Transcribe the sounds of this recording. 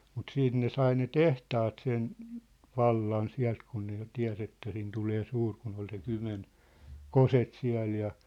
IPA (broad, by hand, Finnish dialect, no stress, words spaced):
mut siːt ne sɑi ne tehtɑːt sen ʋɑlːɑn siæ̝lt kun ne jo tiæ̝s etːæ sin tuleː suːr kun ol se kymen koset siæ̝l jɑ